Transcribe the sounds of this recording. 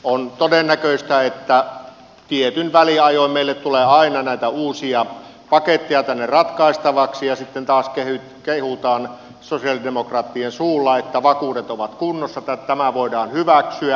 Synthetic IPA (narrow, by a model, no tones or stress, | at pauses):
ont̪odenːækøˑist̪æet̪ːæ | t̪iet̪ynʋæliɑjoˑimeilːet̪t̪uleɑinɑnæˑit̪æuːsiɑ | pɑket̪ːijɑt̪ænːerɑt̪kɑˑist̪ɑʋɑksijɑsit̪ːent̪ɑːskehy | kehut̪ɑːn | sosiɑlidemokrɑːt̪ːiensuːlːɑet̪ːæʋɑkuːdet̪oʋɑt̪kunːosːɑt̪æt̪æmæʋoˑidɑːnhyʋæksyæ